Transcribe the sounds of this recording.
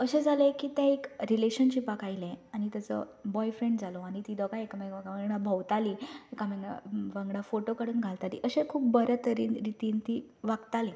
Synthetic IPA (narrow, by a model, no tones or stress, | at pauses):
əɕẽd͡zʱalekiːt̪jãekɾileɕənɕipakailẽaɽ̃it̪jat͡sə̰bɔjfɾeɳɖd͡zaloaɽ̃it̪iːd̪ɔɡaekamekameɡɽabʱəwt̪aliekameŋɡɽa̰ʋəŋɡɽafoʈokəɽuːnɡʱalt̪alḭʔəɕẽkʰuːpbəɾət̪əɾḭːnɾit̪iːnt̪iːʋaɡt̪alẽ